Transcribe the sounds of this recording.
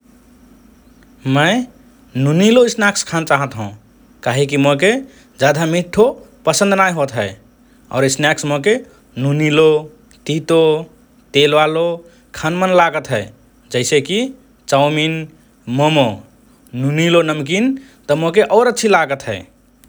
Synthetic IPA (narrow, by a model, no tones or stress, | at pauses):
məɪ | nuniloisnakskʰant͡ʃaɦət̪ɦũ | kaɦekimoke | d͡ʒad̪ʱamiʈʰːo | pəsə̃nd̪najɦot̪ɦəe | a̰ʊɾisnjaksmoke | nunilo | t̪it̪o | t̪elʋalo | kʰanmənlaɡət̪ɦəe | d͡ʒəɪseki | t͡ʃaʊmin | məmo | nunilonəmkin | t̪ɔmokeʔəɾətːʃʰilaɡət̪ɦəɪ